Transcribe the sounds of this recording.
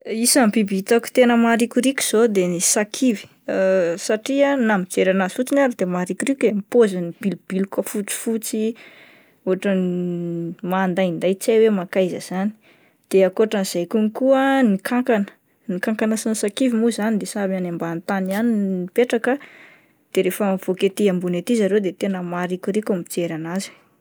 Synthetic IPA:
isambibit̪aku̥t̪enəmaɾikʲuɾikʲu̥z̥od̪enisakʰivi̥ | saʈ͡ʂianamit͡seɾanasut͡sinaɾad̪emaɾikuɾikemipozanib̥ilub̥ilkafut͡si̥fut͡si | oɦaʈ͡ʂən | maːnd̪ajind̪ajt͡sajwemakajzəz̥ani̥ | d̪̥eakoʈ͡ʂəniz̥ajkunikuənikaŋkanə̥ | nikaŋkanəsinsakivimuzanid̪esabanambant̪anianiipeʈ͡ʂakə | d̪̥eɾefəmv̥oket̪iambunet̪izaɾed̪et̪enəmaɾikʲuɾikʲamit͡seɾanazi̥

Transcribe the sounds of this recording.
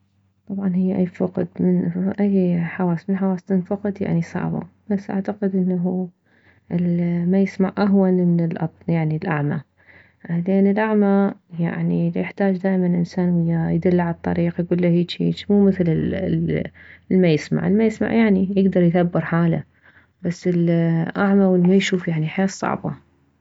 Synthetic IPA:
t̪ˤɑbʕɑnhɪjːʔajːfɑqd̪mɪnʔajːħawaːsmɪnħawaːsnɪnfɑqd̪ja̰ʕnisˤɑ̰ʕba̰b̥asːʔa̰ʕt̪aqɪd̪ʔɪnːaɦu | ʔɪlmajɪsmaʕʔaɦwanmɪnɪlʔɑ̰t̪ˤjaʕnilʔaʕma | lɪʔanːɪlʔaʕmaja̰ʕnijɪħt̪aːd͡ʒd̪aːʔjmanʔɪnsaːnwɪjːajd̪ɪlːʕalɑt̪ˤːɑ̰ɾiːqjɡuːlːahiːt͡ʃhḭːt͡ʃmuːmɪθlɪ | lmajɪsma̰ʕɪlmajɪsma̰ʕjaʕnijɪɡd̪ɑɾˤjθabːɪɾħaːla̰ | basːɪlʔaʕmawɪlmajʃuːfjaʕniħajaːsˤɑ̰ʕbɑ̰

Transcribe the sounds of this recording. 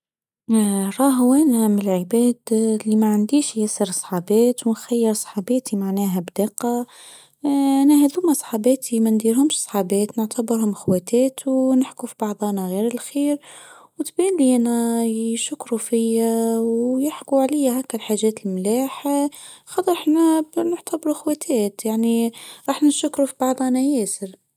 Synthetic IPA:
ɾˤɑːɦʊwænæmɪlʕəbæːd̪limæʕand̪iːʃjæsəɾsˤħɑbæːt̪wnxæjːəɾsˤħɑbæːt̪imaʕnæːɦæbd̪ɑqɑ | ʔænæhæd̪uːmæsˤħɑːbæːt̪ʰimænd̪iɾhʊmʃsˤħɑbæːt̪nəʕt̪ʰæbəɾhʊmɪxwæt̪æːt̪ʰunɪħkufibɑʕðˤɑːnɑɣiːɾəlxiːɾ | wt̪bæːnliʔænæʃʊkːɾufɪjawjɪħkuʕlɪjːaɦækːælħaːʒæːt̪əlmlæːħ | xɑt̪ˤːəɾɪħnæbnʊʕt̪abɾuʔxwæt̪ʰæːt̪jaʕniɾˤɑːħnʃʊkːɾufibɑʕd̪ˤɑnæjæːsəɾ

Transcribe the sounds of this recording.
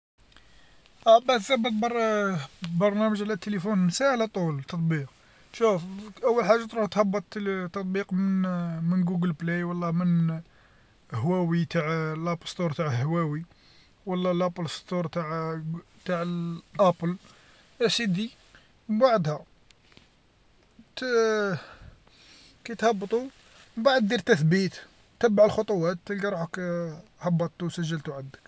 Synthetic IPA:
ʔæbæt̪zæbːət̪̚ˤbɾ | bɑɾˤnæməʒʕlæt̪ːelifunmsæhlæt̪ˤult̪ːɑt̪ˤbiq̚ | ʃufʔəwːəlħaʒːat̪ɾuht̪hɑbːət̪ˤt̪ːɑt̪̚ˤbiqməmənɡuɡəlblejwɑlːɑmən | hwæwit̪aʕlʔæpst̪uɾˤt̪aʕhwæwi | wɑlːɑlʔæpəlst̪uɾˤt̪aʕt̪aʕəlʔæpəl | ʔæsid̪i | baʕd̪hæ | t̪ | kæjt̪hɑbːt̪ˤu | baʕəd̪ːiɾt̪æθbit̪ | t̪ːæbːaʕəlxot̪ˤuwæt̪ːəlɡɑɾˤuħækhɑbːɑt̪ˤːusəʒːəlt̪uʕəd̪ːək

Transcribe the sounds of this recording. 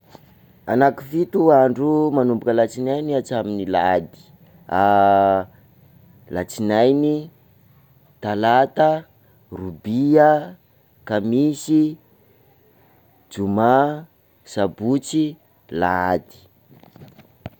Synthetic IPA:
anaki̥fit̪uaɳɖ͡ʐumanumbukəlat͡sinajniat͡saminilad̪i̥ | a | lat͡sinajni | t̪alat̪aə | rubia | kamisi | d͡ʒuma | sabut͡si | laad̪i̥

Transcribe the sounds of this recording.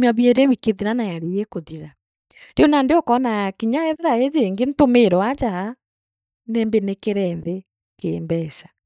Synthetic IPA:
maβiɛɾewikeðiɾanajaɾejekoðiɾa | deonandeɔkɔnaakiɲaɛðɛɾaezeːŋɡentomeɾɔad͡ʒaha | nɛːmbenekeɾɛnðe | kḛmbɛsḁ

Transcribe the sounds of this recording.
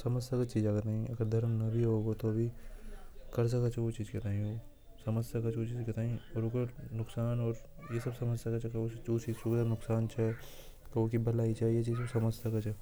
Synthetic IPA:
sɐməsjakat͡ʃiːd͡ʒakɐnaːɦĩɐɡəɾd̪ʱɐɾmnɐbʱiɦoːɡot̪oɐbʱi | kɐɾs̬ɐkət͡ʃʰɛʋot͡ʃiːzkɐt̪aːɦĩo | sɐməsjɐkət͡ʃʰot͡ʃiːzket̪aːɦĩɔːɾokəɾnʊksaːnɔːɾ | jesɐbsɐməsjakat͡ʃʰɛkot͡ʃoːt͡ʃisʊɡd̪anʊksaːnt͡ʃʰɛ | kokibʱɐlaːit͡ʃʰaijet͡ʃiːzsɐməssɐkət͡ʃʰɛ

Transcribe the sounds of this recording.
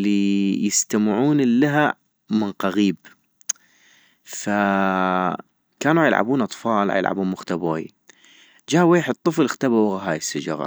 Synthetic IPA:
lijɪst̪amʕuːnlːaɦa | mɪnqaɣiːb | fa | kaːnuʕajəlʕa̰buːnʔɑt̪ˤfɑːlʕa̰jɪ̰lʕa̰buːnmʊxt̪aboːj | d͡ʒaːweːjħɪt̪ˤːɨflxt̪abawaɣaɦaːjɪsːad͡ʒa̰ɣa̰

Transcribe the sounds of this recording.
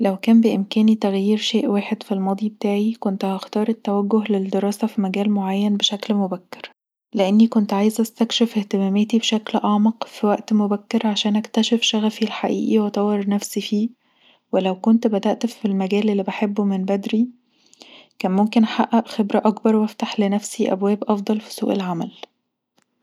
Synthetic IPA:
læwkæːmbeʔɪemkæːnit̪æɣjiːɾʃeːʔwaːħed̪filmɑːd̪ˤibet̪aːʕikont̪hɑxt̪ɑːɾˤet̪ːæwæɡːoɦleld̪eɾˤɑːsæfimæɡæːlmoʕajːænbeʃæklmobækːe̥ɾ | leʔenːikont̪ʕaːjezʔæst̪ækʃefeht̪emæːmet̪ibeʃæklʔɑʕmɑqfiwæʔt̪mobækːeɾʕaʃæːnʔækt̪æʃefʃæɣæfilħaʔiːʔiwet̪ˤɑwːeɾˤnæfsifiː | welæwkont̪bæd̪æʔt̪filmæɡæːlelːiːbeħebːumenbæd̪ɾi | kæːnmomkenħaʔːæʔxebɾæʔɑkbɑɾˤwæft̪aħlenæfsiʔæ̰bwæːbʔɑfd̪ˤɑlfi̥sṵːʔelʕamæl

